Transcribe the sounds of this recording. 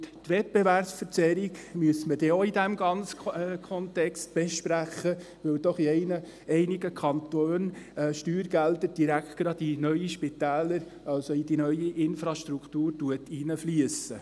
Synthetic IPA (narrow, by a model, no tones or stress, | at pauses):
ttʋɛt̚b̥eværpsfəɾt͡sɛɾiɡmyəsməd̥ɛːoidæmɡɑnt͡sə̥kʰɔntɛkst̚b̥ɛʃpɾæχːə | ʋɪld̥̪ɔχiɛɪnə | ɛɪniɡəkʰɑntoːnːʃtyːɾɡ̥æld̪əɾd̥iɾækχt̚ɡ̥ɾɑdinœʏiʃpɪt̪æːləɾ | ɑlsɔid̥inœʏiʔɪnfɾɑʃtɾukχtuːɾtuətʰinəflyəsə